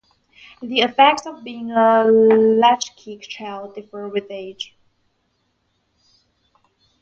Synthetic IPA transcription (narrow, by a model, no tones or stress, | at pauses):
ðiɨfɛk̚tsʌvbiɪ̃ŋəlæt͡ʃkʰikt͡ʃʰaɪlˠdɪfə˞wɪðeɪ̥d͡ʒ